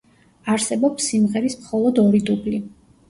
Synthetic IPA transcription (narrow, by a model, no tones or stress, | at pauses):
aɾsɛbɔpsːimʁɛɾismχɔlˠɔd̪ɔɾid̪ubli